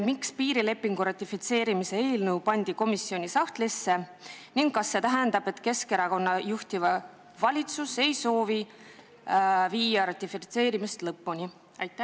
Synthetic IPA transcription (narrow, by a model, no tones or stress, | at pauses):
mikspiːɾile̞pːiŋɡ̥uɾɑt̪ʲːˑifit̪se̞ːɾimise̞e̞ːlnəwpɑnʲd̪̥iko̞misːio̞nʲisɑht̪lisːe̞niŋɡ̥kɑsːe̞t̪æɦend̪ɑb̥e̞t̪ːke̞ske̞ɾɑko̞nːɑjuht̪ivɑ | vɑlʲit̪suse̞jso̞ːvi | viːjɑɾɑt̪ʲːifit̪se̞ːɾimist̪lɤpːunʲi | ɑjt̪ːˑæ